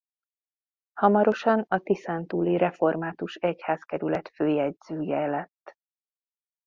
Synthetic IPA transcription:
hɒmɒɾo̞ʃɒnɒt̪isant̪uːliɾɛfo̞rmaːt̪uʃɛchaːskɛɾylɛt̪føːjɛɟz̥øːjɛlɛt̪ː

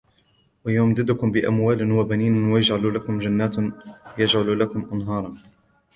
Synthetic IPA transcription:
wajaːmd̪ɪd̪ʊkʊmbɪʔa̰mwaːlɪwabaniːnwajad͡ʒʕalulakʊmd͡ʒanːaːt̪jad͡ʒʕalulakʊmʔanɦɑːɾˤɑn

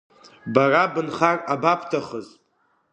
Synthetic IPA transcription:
barabɨnχarabapʰtʰaχəzʼ

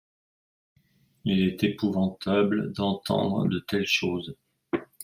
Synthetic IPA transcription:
ilɛt̪epuvɑ̃t̪ʰabld̪ɑ̃t̪ʰɑ̰̃d̪ʁə̰d̪ət̪ɛlʃoːz

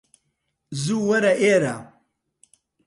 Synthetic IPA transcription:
zuːwɐɾɐʔeːɾa

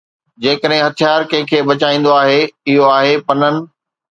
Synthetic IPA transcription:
d͡ʑeːkəɗɦɪ̃ɦɐt̪ʰijaːɾkɐ̃ɦɪ̃kʰeːbɐt͡ɕaːĩːn̆d̪oaːɦeɪɦoaːɦepɐnənɪ̆

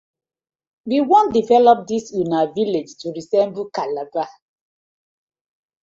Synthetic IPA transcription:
wiwɔ̃ndivɛlɔp̚disunaviled͡ʒtuɹisɛ̃mbl̩kalaɡa

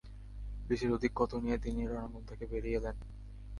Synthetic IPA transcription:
biʃeɾod̪ʱikːot̪onijet̪iniɾɔnamont̪ʰakebeɾijelen

